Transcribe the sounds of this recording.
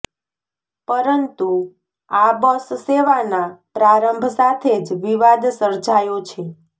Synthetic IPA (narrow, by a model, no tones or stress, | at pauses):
pəɾənt̪u | abəsseʋanapɾaɾəmbʱsat̪ʰed͡ʒʋiʋad̪səɾd͡ʒajot͡ʃʰe